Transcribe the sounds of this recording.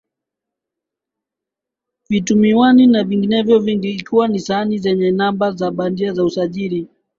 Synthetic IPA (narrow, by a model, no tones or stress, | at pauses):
vitumiwaninaviŋɡinɛvjɔviŋɡiikiwanisaanizɛɲɛnambazaɓandiazausaʄiɾi